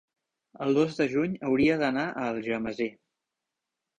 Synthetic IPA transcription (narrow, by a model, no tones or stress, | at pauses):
əlˠd̪ozd̪əʒuɲəwɾiəðənaʔəlˠʒəməze